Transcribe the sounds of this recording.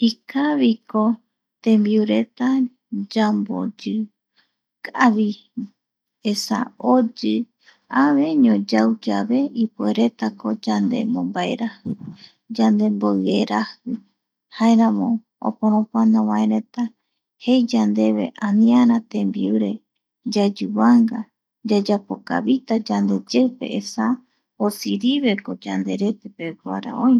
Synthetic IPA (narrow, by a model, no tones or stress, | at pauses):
ikaβiko | t̪ẽ̞mbiuɾe̞t̪a | d͡ʒambo̰d͡ʒɨ | kaβi | esa̰od͡ʒɨ | aʋe̞ɲõd͡ʒawd͡ʒaβe̞ipweɾe̞t̪ako̞d͡ʒand̪e̞̰mõmbae̞̰ɾahɨ | d͡ʒand̪e̞mboɨeɾahɨ | haeɾãmõ̞ | o̰poɾ̃õpanãwãẽɾe̞t̪a | he̞jd͡ʒand̪e̞βe̞̰ʔãnĩaɾãt̪ẽmbiuɾe̞ | d͡ʒad͡ʒuβaŋɡa | d͡ʒad͡ʒapo̞ka̰βit̪ad͡ʒand̪e̞d͡ʒewpe̞̰ʔesa | osiɾiβe̞ko̞d͡ʒand̪e̞ɾe̞t̪epekwaɾa̰ʔõj